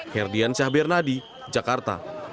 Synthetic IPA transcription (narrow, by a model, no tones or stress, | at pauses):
hɛrdiansahbɛrnadi | d͡ʒakart̪a̰